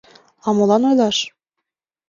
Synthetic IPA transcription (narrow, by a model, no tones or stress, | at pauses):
ɑmolˠɑnojlˠɑʃ